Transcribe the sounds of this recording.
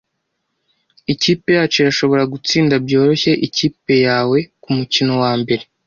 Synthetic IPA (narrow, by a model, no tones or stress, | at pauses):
iciːpe̞jaːt͡ʃo̞ɾaʃo̞βo̞ɾaɡut͡siːndabjo̞ːɾo̞çeʔiciːpe̞jaːwe̞kumucino̞waːmbe̞ɾe̞